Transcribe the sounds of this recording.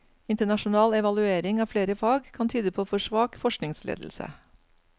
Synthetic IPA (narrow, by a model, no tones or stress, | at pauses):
ɪnt̪əɳɑʃʊnɑːlɛʋɑlʉeːɾɪŋɑːfleːɾəfɑːɡkʰɑnt̪ʰyːd̪əpʰoːfɔʂʋɑːkfɔʂknɪŋslḛːd̪l̩sə̰